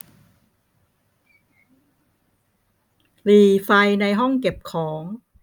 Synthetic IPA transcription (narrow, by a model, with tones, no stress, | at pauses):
liː˧˩fa˧jna˧jɦɔ˥˩ŋke˨˩p̚kʰɔː˩˦ŋ